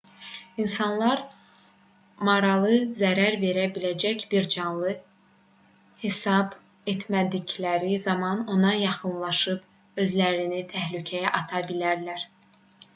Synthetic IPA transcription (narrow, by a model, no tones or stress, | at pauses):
insɑnlˠɑɾ | mɑɾɑlˠɯzæɾæɾve̞ɾæbilæd͡ʒæcb̥iɾd͡ʒɑnlˠɯ | he̞sɑb | et̪ʰmæd̪iɟlæɾizɑmɑno̞nɑjɑχɯnlˠɑʃɯb | ø̞zlæɾinit̪ʰæhlycʰæjæʔɑt̪ʰɑbilæɾlæɾ